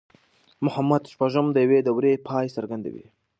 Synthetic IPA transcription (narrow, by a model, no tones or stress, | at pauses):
mʊhamːad̪ʃpaʒəmd̪əjawed̪awɾepʰɑjsəɾɡand̪a̰wḭ